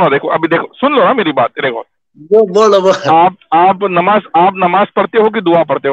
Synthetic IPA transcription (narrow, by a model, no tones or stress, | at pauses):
nod̪eːkʰoʔɐbʱid̪eːkʰosʊnlonameːɾiba̰ːt̪̚d̪eːkʰo̰ | bobooboaːpaːpnɐmaːzaːpnɐmaːzpɐɽt̪eɦok̬id̪ʊapɐɽt̪eɦo